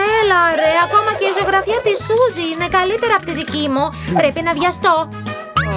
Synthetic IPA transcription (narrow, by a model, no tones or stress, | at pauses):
elɐɾeɐko̞mɐce̞izoɣɾɐfiɐt̪isuziine̞kɐlit̪e̞ɾɐpot̪iðicimupɾepinɐvʝɐst̪o̞